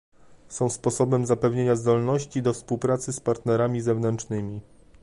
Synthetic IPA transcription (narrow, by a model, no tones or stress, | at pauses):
sɔ̃w̃spɔsɔbɛmzapɛvɲeɲazd̪ɔlnɔɕt͡ɕid̪ɔfspuwpɾat̪sɘspaɾt̪nɛɾamʲizɛvnɛnt͡ʂnɘmʲi